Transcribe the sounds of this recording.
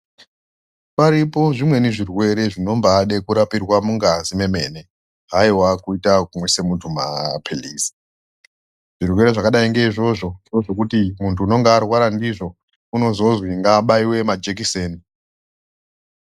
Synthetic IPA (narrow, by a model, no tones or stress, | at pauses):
paɾipo̞ʐimwe̞niʐirwe̞ɾe̞ʐino̞mbaːɗe̞kuɾapirwamuŋɡazime̞me̞ːne̞ | ɦaiwakuitakumwese̞mutʰuma̰pʰeliːsi̥ | ʐ̥irwe̞ɾe̞ʐakaɗaiŋɡe̞iʐo̞ʐo̞ndioʐo̞kutimuntʰuːno̞ŋɡaːrwaɾandiʐo̞ | uno̞zo̞zwiŋɡaːɓaiwe̞mad͡ʒek̬iseːni